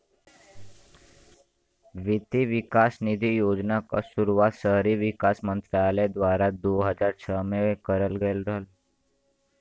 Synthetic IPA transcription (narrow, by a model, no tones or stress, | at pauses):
ʋit̪iʋikasnid̪ʱijod͡znaka̰suɾuʋat̪səɦɾiʋikasmənt̪ɾaled̪ʋaɾad̪oɦəd͡zaɾt͡ɕʰəmeʋekəɾəlɡelɾəɦəl